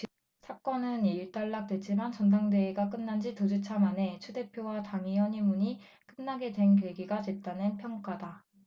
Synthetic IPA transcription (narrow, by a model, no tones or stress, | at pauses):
sʰak͈ʌnɯniɭt͈aɭːak̚t͈we̞t̚t͡ɕ͈imant͡ɕʌnt̬ʰaŋde̞ːɡak̬͈ɯnːand͡ʑitod͡ʑut͡ɕʰamane̞t͡ɕʰude̞pʰjowataŋijʌɲimuɲi | k͈ɯnːaɡe̞dwe̞nkweɡiɡad͡ʑwe̞p̚t͈anɯnpʰjʌŋk͈ada